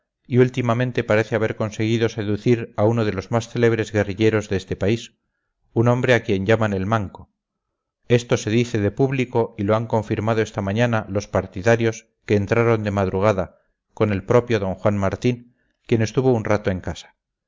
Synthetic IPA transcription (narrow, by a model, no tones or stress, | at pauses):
iult̪imamẽ̞nt̪e̞paɾe̞θeaβe̞ɾko̞nse̞ɣ̞iðo̞se̞ðuθiɾaunoð̞e̞lo̞zmasθe̞le̞β̞ɾe̞zɣe̞riʎe̞ɾo̞zðest̪e̞pais | unõ̞mbɾe̞akje̞ɲɟamane̞lmaŋko̞ | e̞st̪o̞se̞ðiθe̞ðe̞puβliko̞ilo̞aŋko̞ɱfiɾmað̞o̞e̞st̪amãɲanalo̞spaɾt̪iðaɾjo̞s | ke̞ːnt̪ɾaɾo̞nd̪e̞mað̞ɾuɣ̞aða | ko̞ne̞lpɾo̞pjo̞ðo̞ŋxwanmaɾt̪iŋ | kje̞ne̞st̪uβo̞unrat̪oeŋkasḁ